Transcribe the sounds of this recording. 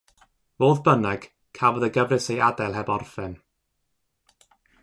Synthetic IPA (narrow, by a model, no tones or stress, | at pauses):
voːðbənɛɡ̥ | kʰavɔðəɡəvrɨsejadajlˠɦɛbɔrfɛn